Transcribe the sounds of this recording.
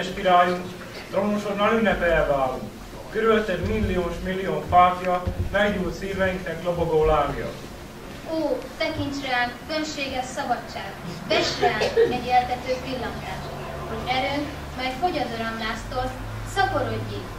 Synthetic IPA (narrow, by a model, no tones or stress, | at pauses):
ɛʃpiɾaːjuŋ | t̪romoʃoɾnaːlynːɛpɛɛvaːlːṵŋk | køɾylɛt̪ɛd̪milːioːʃmilːijoːnfaːfjɒmɛɡɲuːlt̪siːrvɛjiŋknɛkloboɡoːlaːmijɒ̰ | oːt̪ɛkiɲt͡ʃrɛaːnfølʃeːɡɛʃsɒbɒt͡ʃːaːɡbɛʃraːmɛɟɛlt̪ɛt̪øːpilːɒŋt̪aːt | ho̞ɟɛɾøːŋk | mɛjfo̞ɟɒd̪oɾɒmlaːst̪ors | sɒkoɾoɟːi